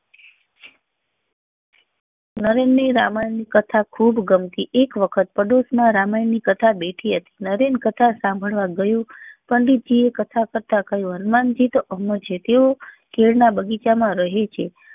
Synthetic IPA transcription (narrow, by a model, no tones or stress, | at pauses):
nəɾenːiɾa̰majnikət̪ʰakʰubɡəmt̪iʔekʋəkʰət̪̚pəɖosmãɾamajnikət̪ʰabeʈʰiɦət̪i̥nəɾenkət̪ʰasãmbʱəɭʋaɡəjõpəɳɖit̪̚d͡ʒiekət̪ʰakəɾt̪akəjõɦənmand͡ʒit̪əmət͡ʃʰet̪eo | keɭnabəɡit͡ʃamãɾəɦet͡ʃʰe